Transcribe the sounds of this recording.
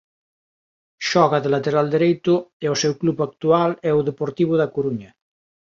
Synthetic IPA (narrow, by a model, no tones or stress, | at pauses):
ʃɔɣaðelat̪eɾald̪eɾejt̪ʊɛosɛwklupak̚t̪ualɛuðepoɾt̪iβ̞oðakuɾuɲɐ